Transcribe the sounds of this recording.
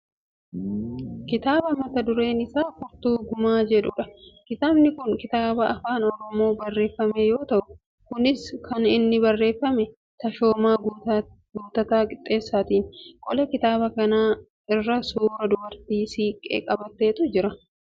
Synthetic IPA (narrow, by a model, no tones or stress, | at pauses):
kɪt̪aːbɐmɐt̪ɐd̪ʊɾe̞ːnɪsaːfʊɾt̪uːɡʊmaːd͡ʒɛᶑʊᶑɐkɪt̪aːbnɪkʊŋkɪt̪aːbɐɐfaːnɔɾɔmo̞ːbɐrːe̞ːfːɐmejo̞ːt̪ɐʔʊ | kʊnɪskɐnɪnːɪbɐrːe̞ːfːɐmɛ | t̪ɐʃo̞ːmaː | ɡʊnt̪ːɐt̪aːkʼɪt̪ʼːe̞ːsːaːt̪iːnkʼɔlɛkɪt̪aːbɐkɐnaː | ɪrːɐsuːɾɐd̪ʊbɐɾt̪iːsiːkʼḛːkʼɐbɐt̪ːe̞ːt̪ʊd͡ʒɪɾɐ